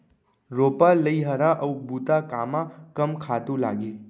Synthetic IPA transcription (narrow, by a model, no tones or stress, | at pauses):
ɾoːpaləiɦəɾaʔɐubuːt̪akaːmãkɐmkʰaːt̪ula̰ːɡeː